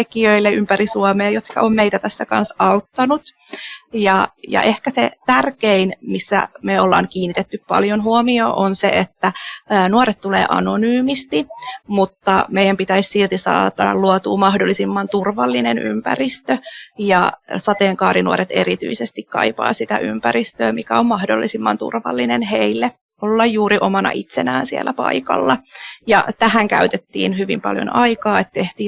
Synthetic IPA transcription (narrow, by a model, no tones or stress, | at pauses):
ekiøilːeympæɾisuomeːjot̪kɑ̰ommeit̪æt̪æsːækɑ̰nsɑut̪ːɑnut̪ | jɑjɑ̰ʔehkæsḛt̪ærkeinmisːæ̰meolːɑ̰ːŋkiːnːit̪et̪ːyppɑ̰ljonɦuomioːʔonsḛet̪ːæːnuoɾet̪t̪ulḛːʔɑ̰nonyːmist̪imut̪ːɑ̰meijæmpit̪æissilt̪isɑ̰ːɑtːɑlluot̪uːmɑhdolːisimːɑnt̪urʋɑlːinenʔy̰mpæ̰rist̪øjɑsɑt̪eːŋkɑːɾinuoɾet̪eɾit̪y̰isest̪ikkɑ̰ipɑ̰ːsit̪æ̰ʔympæɾist̪øːmikæommɑhdolːisimːɑnt̪ṵrʋɑ̰lːinenheilːe | olːɑjjuːɾiʔomɑnɑ̰ʔit̪senæːnsiḛlʔæpɑ̰ikɑ̰lːɑjɑ̰t̪æhæŋkæ̰yt̪et̪ːḭːnhyʋḭmpɑ̰ljo̰nɑjkɑːet̪t̪eht̪iː